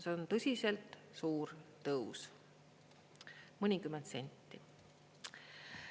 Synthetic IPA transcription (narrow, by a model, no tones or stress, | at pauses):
seont̪ɤsʲise̞lt̪suːɾt̪ɤus | mɤnʲikymːent̪se̞nʲt̪ːi